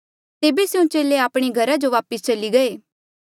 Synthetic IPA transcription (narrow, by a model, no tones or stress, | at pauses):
t̪eːbesjũt͡ʃeːleaːpɽ̃eɡʱɐɾad͡ʒoʋaːpəst͡ʃɐliɡɐeː